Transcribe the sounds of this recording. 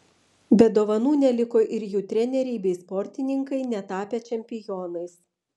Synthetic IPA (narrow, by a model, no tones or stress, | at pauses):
bʲɛd̪oːʋɐnuːnʲɛlʲɪkoːʔɪɾjuːt̪ʲɾʲɛnʲɛɾʲɛɪbʲɛɪspɔɾʲt̪ʲɪnʲɪŋkɐɪnʲɛt̪ɑːpʲɛt͡ʃʲɛmʲpʲɪjɔːnɐɪs